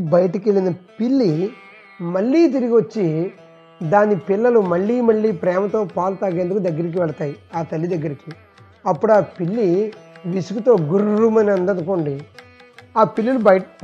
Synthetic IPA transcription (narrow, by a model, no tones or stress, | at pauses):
bɐjɐʈɐkeɭːinɐpilːi | mɐɭːiːt̪̬iɾiɡiʋɐt͡ʃːi | d̪aːnipilːɐlumɐɭːiːmɐɭːiːpɾɛːmɐt̪o̞ːpaːlut̪aːɡe̞ːnd̪ukud̪ɐɡːɐɾik̬iʋɛɭɐt̪aːjiaːt̪ɐlːid̪ɐɡːɐɾiki | ɐpːuɽaːpiɭːiʋisukut̪o̞ːɡuɾɾumɐnɐnd̪ɐnukoːɳɖi | aːpilːilubj